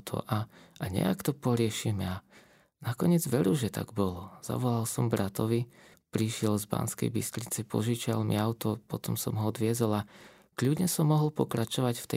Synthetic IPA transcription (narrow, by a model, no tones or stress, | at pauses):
t̪ʰɔ̰ʔaʔaɲɛ̰a̰kt̪ɔpɔɾɪɛʃimɛa | nakɔɲɪɛd͡zʋɛɾuʒɛt̪a̰ɡbɔlɔz̥a̰ʋɔlalsɔmbɾat̪ɔʋi | pɾiʃɪɛlzba̰nskɛ̰jbist̪ɾit͡sɛpɔʒiːt͡ʃalmḭaʊt̪ɔpɔt̪ɔmsɔmɦɔɔd̪ʋɪɛzɔla | kʎudɲɛsɔmːɔɦɔlpɔkɾat͡ʃɔʋacft̪ɛ